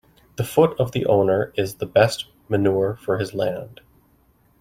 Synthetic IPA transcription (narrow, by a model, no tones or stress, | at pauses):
ðəfʊɾʌvðiʔõ̰ʊ̃nə˞ɪzðəbɛst | mɨnuɹfə˞ɨzlæ̃nd̥